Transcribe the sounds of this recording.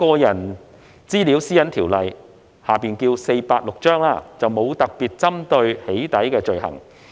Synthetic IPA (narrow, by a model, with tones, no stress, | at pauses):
kɔː˧jɐ˨˩n | t͡siː˥li˨˥wsiː˥jɐ˥nt̪ʰiː˨˩wlɐ˨˩j | haː˨˩piː˨nkiː˧wse˧jpaː˧t̚lʊ˨k̚t͡ʃœː˥ŋlaː˧t͡sɐ˨wmo˨˧wt̪ɐ˨k̚piː˨t̚t͡sɐ˥mt̪ɵ˧ɥhe˨˥jt̪ɐ˨˥jkɛː˧t͡ʃɵ˨˧ɥhɐ̰˨˩ŋ